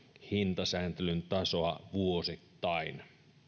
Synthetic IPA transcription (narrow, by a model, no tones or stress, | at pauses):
hint̪ɑsæːnt̪elynt̪ɑsoɑʋuosit̪ːɑin